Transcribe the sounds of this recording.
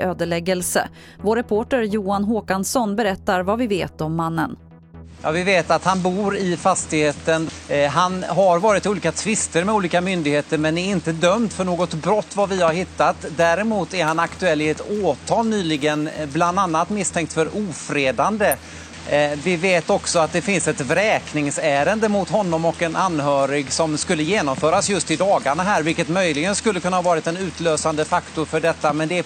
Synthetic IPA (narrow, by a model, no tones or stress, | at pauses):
ʔøːd̪əɭɛɡəlsə̰ | voːɾɛpʰoːʈəɾjuːanɦoːkansɔnbɛɾɛt̪ːaɾvavɪveːt̪ɔmːanːən | jɑ̰ːvɪveːt̪at̪hanbuːɾɪfast̪ɪɡheːt̪ənɦanɦaɾvɑːɾɪt̪uːliːkat̪ʰvɪst̪əɾmɛuːliːkamʏnd̪ɪɡheːt̪əɾmɛnæɾɪnt̪əd̪œmd̪fœɳoːɡɔt̪bɾɔt̪ːvavɪhaɾɦɪt̪ːat̪d̪æɾɛmuːt̪æɾhanakt̪ɵɛlːɪɛt̪oːt̪ʰɑːlnyːlɪɡənbland̪anːat̪mɪst̪ʰɛŋkt̪fœɾuːfɾeːd̪and̪ə | vɪveːt̪ɔksɔat̪̚d̪ɛfɪnsɛt̪vɾɛːknɪŋsæːɾənd̪əmʊt̪ɦɔnːɔmɔkɛnʔanːɦœːɾɪɡsɔmskɵlːəjeːnɔmfœːɾasjɵst̪ɪd̪ɑːɡaɳaɦæːɾvɪlkət̪mœjlɪɡənskɵlːəkʰɵnːahavɑːɾɪt̪ɛnʉ̟ːt̪løːsand̪əfakt̪ʊɾfœɖɛt̪ːamɛnd̪ɛ